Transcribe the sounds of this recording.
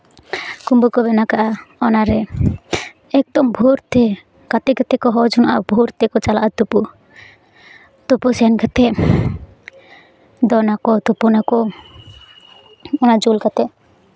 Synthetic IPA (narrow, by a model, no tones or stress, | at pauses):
kumbukɔbɛnakaʔaɔnaɾɛ | ɛk̚d̪ɔmbʱuɾt̪ɛ | kat̪ɛkat̪ɛkɔɦɔd͡ʒunaʔabʱuɾt̪ɛkɔt͡ʃalaʔat̪upu | t̪upusɛankat̪ɛ | d̪ɔnakɔt̪upunakɔ | ɔnad͡ʒulkat̪ɛ